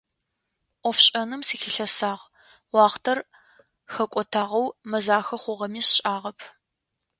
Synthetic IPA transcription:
ʔʷɔfɕʼɐnɨmsiːxɪɬɐsaːʁ | wɑːχtʰɐr | xɐkʷʼɔtʰaːʁɐwmɐzaːxɐχʷʊʁɐmiːɕɕʼaːʁɐpʰ

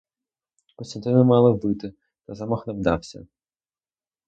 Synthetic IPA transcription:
kɔst̪ɐnt̪ɪnɪmɑlˠɐbɪt̪ɪ | t̪ɐzamɔxnɐwd̪ɑwsʲɐ̰

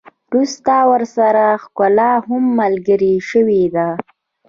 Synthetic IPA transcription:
ɾust̪awəɾsaɾaxkʊlaɦʊmːəlɡəɾiʃəwed̪a

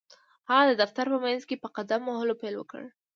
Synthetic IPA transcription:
haɣad̪əd̪aft̪aɾpəmanzkepəqad̪amːahɪlopajlwə̰kə̰ɽ

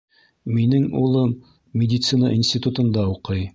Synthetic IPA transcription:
minɘŋulˠɤm | mʲɪdʲɪt̪sɨna̰ʔinsʲtʲit̪ut̪ɤ̆nd̪ɑuqɤj

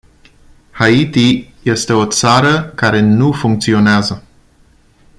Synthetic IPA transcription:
hait̪ije̞st̪e̞o̞t̪saɾəkaɾe̞nufuŋk̚t̪sio̞neazə

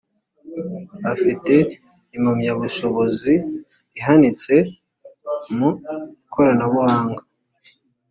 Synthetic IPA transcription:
afite̞ | imamɲaβuʃo̞βo̞ziː | ɦanit͡se̞ | muikʰo̞ɾanaβuhaːŋɡa

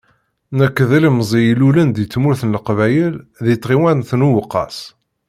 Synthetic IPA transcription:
nəkːðiləmzˤijlulənd̪jət͡sːmʊɾθənləqvæjəlðit̪ˤʁiwænθnuwəqːɑ̰s

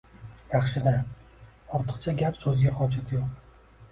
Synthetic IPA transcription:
jɑχʃɪd̪a | ɒɾt̪ʰɨ̥qt͡ʃʰaɡʲapsɵzɡʲahɒd͡ʒat̪ʰjoq

